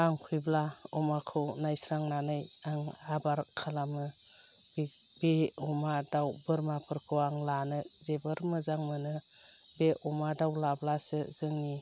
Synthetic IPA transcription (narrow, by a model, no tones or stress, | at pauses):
aŋkʰujblaɔmakʰɯwnajsɾaŋnanɯjaŋabaɾkʰalamɯ | bi | beɔmadawbɯɾmapʰɯɾkʰɯwaŋlanɯzebɯɾmɯzaŋmɯnɯ | beʔɔmadawlablasɯz̥ɯŋni